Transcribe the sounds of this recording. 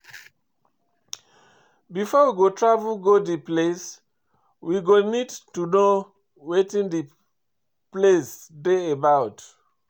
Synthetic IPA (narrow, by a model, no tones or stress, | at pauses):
bifɔwiɡotʰɹavulɡodiples | wiɡonidtuno | wetĩndi | plesdeəbaʊt